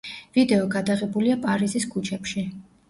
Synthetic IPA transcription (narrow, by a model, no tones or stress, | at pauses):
vid̪ɛɔɡad̪aʁɛbuliapʼaɾiziskʰut͡ʃʰɛpʃi